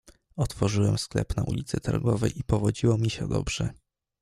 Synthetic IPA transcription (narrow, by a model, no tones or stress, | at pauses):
ɔt̪fɔʐɘwɛmsklɛ̰pnaʔṵlʲit̪sɘt̪aɾɡɔvɛjʔipɔvɔd͡ʑiwɔmʲiɕɛ̰d̪ɔ̰bʐɛ